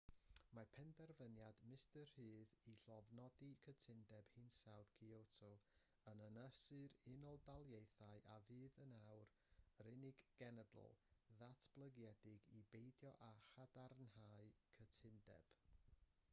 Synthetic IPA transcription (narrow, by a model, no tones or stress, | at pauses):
mapʰɛndɛrvənjadmɪstərhɨːðiɬɔvnɔdikʰətʰɪndɛb̥hɨnsawðkʰiowtʰʊ̥ | ənənəsɨɾɪnɔlˠdalˠjejθaɨʔavɨːðənawr | ɾɪnɪɡɡ̥ɛnədl̩ˠðatʰb̥lˠəɡjɛdɪɡibejdjɔʔaχadarnhaɨkʰətʰɪndɛ̰b̥